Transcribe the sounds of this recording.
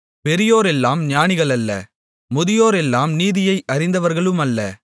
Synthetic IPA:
pɛɾɪjoːɾɛlːaːmɲaːnɪɣɐɭɐlːɐ̰ | mʊðɪjoːɾɛlːaːmniːðɪjɐɪʔɐɾɪnd̪ɐʋɐɾɣɐɭɯmɐlːɐ̰

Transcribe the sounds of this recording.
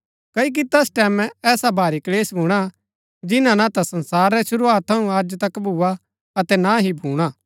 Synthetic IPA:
kɐik̬it̪ɛsʈɛːmɛ̃ɛːsabʱaːɾikleːsbʱuːɽ̃a | d͡ʒɪnãnãt̪asɐ̃nsaːɾːɛʃʊɾuaːt̪ʰːɐũaːd͡ʒt̪ɐkbʱua | ɐt̪ɛnaɦibʱuːɽ̃aː

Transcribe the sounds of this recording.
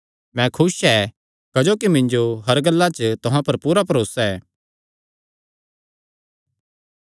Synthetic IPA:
mɛ̃kʰʊsɛ | kɐd͡ʒoːkimɪ̃nd͡ʒoɦɐɾɡɐlːat͡ʃt̪ʊɦãpɐɾpuːɾapɐɾoːsɛː

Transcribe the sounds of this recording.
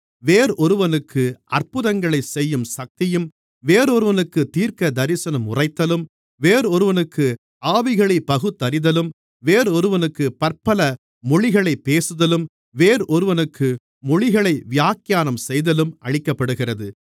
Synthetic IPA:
ʋeːɾʔɔɾɯʋɐnɯkʰːɯʔɐrpɯðɐŋɡɐɭɐɪsɛjːɯmsɐk̚t̪ɪjɯm | ʋeːɾɔɾɯʋɐnɯkːɯt̪iːɾkɐd̪ɐɾɪsɐnɐmʊrɐɪt̪ːɐlɯm | ʋeːɾɔɾɯʋɐnɯkːɯ | aːʋɪɣɐɭɐɪpːɐɣɯt̪ːɐɾɪðɐlɯm | ʋeːɾɔɾɯʋɐnɯkːɯpɐrpɐlɐ | mɔɭɪɣɐɭɐɪpːeːsɯðɐlɯm | ʋeːɾɔɾɯʋɐnɯkːɯː | ɔɻɪɣɐɭɐɪʋɪjaːkɪjaːnɐmsɛjðɐlɯmʔɐɻɪkːɐpːɐɽɯɣɪrɐðɯ

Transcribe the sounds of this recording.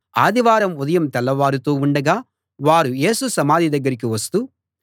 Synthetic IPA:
aːd̪iʋaːɾɐmud̪ɐjɐmt̪ɛlːɐʋaːɾut̪oːuɳɖɐɡaː | ʋaːɾuje̞ːsusɐmaːd̪ʱid̪ɐɡːɐɾik̬iʋɐst̪u

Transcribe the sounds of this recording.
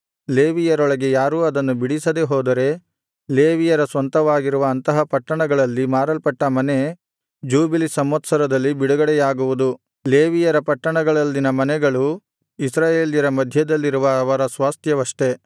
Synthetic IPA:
leːʋijɐɾɔɭɐɡe̞jaːɾuːɐd̪ɐnːubiɽisɐd̪e̞ɦɔːd̪ɐɾe̞ | leːʋijɐɾɐsʋɐnt̪ɐʋaːɡiɾuʋɐːnt̪ɐɦɐpɐʈːɐɳɐɡɐɭɐlːimaːɾɐlpɐʈːɐmɐne̞ | d͡ʒuːbilisɐmːɐt̪sɐɾɐd̪ɐlːibiɽuɡɐɽɛjaːɡuʋud̪u | leːʋijɐɾɐpɐʈːɐɳɐɡɐɭɐlːinɐmɐnɛɡɐɭu | isɾaːjeːljɐɾɐmɐd̪ʱjɐd̪ɐlːiɾuʋɐːʋɐɾɐsʋaːst̪ʰjɐʋɐʂʈe̞

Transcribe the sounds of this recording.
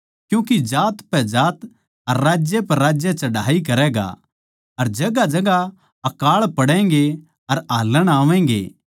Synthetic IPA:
kjũːkid͡ʒaːt̪pɛd͡ʒaːt̪ | ɐɾːaːd͡ʒjepɐɾːaːd͡ʒjat͡ʃɐɽaːikɐɾɛːɡa̰ | ɐɾd͡ʒɐɡad͡ʒɐɡa | ɐkaːɭpɐɽɛ̃ːŋɡe | ɐɾaːləɽ̃aːʋɛ̃ːŋɡḛː

